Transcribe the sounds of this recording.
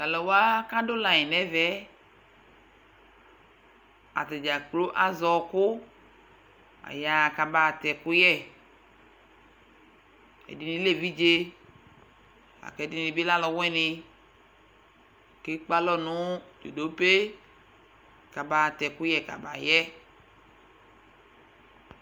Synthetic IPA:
ta˨lɔ˨wa˦ka˦do˦la˨ɛ˨nɛ˦vɛ˦ | a̰˨t̪ɛ˨d͡ʒa˨klo˦ʔa˦zɔ˨kʊ˦ | a̰˨ja˨ka˨ba˨t̪ɛ˨kʊ˦jɛ˦ | ḛ˨di˨nĩ˦le˦vi˦d͡ʒe˦ | a̰˨kɛ˨˦di˦n˨i˨bi˦la˦lɔ˨wɛ˦nɪ˨ | ke˦k͡pa˦lɔ˦nʊ̃˦d͡ʒo̰˨do˦pe˦ | ka˨ba˨tɛ˨kʊ˦jɛ˨ka̰˨ba˨jɛ˦

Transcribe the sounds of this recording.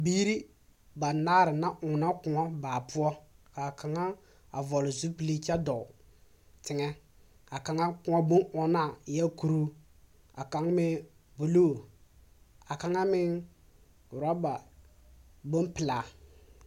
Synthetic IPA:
biː˦ɾi˦ | ba˨naː˦ɾɪ˨na˦ʔʊ˨na˦kʊ˨ŋɔ˦baː˨pʊ˦ɔ˦ka˨ka˨ŋa˦ | a˨vɔ˨lʊ˨zu˦pi˨li˦t͡ʃa˦dɔ˨ | tɪ˨ŋɛ˦ | a˨ka˨ŋa˦kʊ˦ŋɔ˦bo˦nɔ˦na˦˨ja˦ku˨ɾu˦ | a̰˨ka˨˦ŋmɪ˦ | bo˨lo˦˨ | a˨ka˦ŋa˦mɪ˦˨ | ɾɔ˦ba˨ | bo˦npɪ˨laː˨

